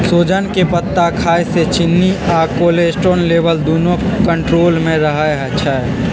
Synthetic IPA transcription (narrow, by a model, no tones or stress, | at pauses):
soːd͡ʒənkepət̪ːakʰaːjset͡ʃɪnːiakoːlesʈɾoːnleːʋəld̪oːnõkə̃ɳʈɾoːlmẽɾəɦaeɦɛt͡ʃʰɛ